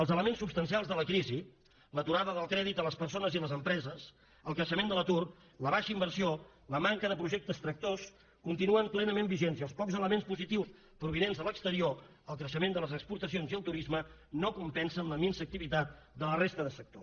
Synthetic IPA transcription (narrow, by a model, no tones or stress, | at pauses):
əlˠzələmensːupst̪ənsialˠzðələkɾizi | lət̪uɾaðəðəlˠkɾɛðit̪ələspəɾsonəziləzəmpɾɛzəs | əlˠkɾəʃəmend̪ələt̪ur | ləβ̞aʃəimbəɾsio | ləmaŋkəðəpɾuʒeɛk̚t̪əst̪ɾək̚t̪os | kunt̪inuəmplɛnəmembiʒenziəlˠspɔkzələmenspuzit̪iws | pɾuβ̞inenzðələkst̪əɾio | əlˠkɾəʃəmend̪ələzəkspuɾt̪əsionziəlˠt̪uɾizmənokumpɛnsənləminsək̚t̪iβit̪at̪̚ | d̪ələrest̪əðəsək̚t̪o